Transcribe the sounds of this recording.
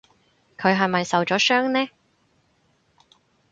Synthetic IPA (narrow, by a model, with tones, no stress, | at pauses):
kʰɵ˨˧ɥɦɐ˨jmɐ˨jsɐ˨wt͡ʃɔː˨˥sœː˥ŋnɛː˥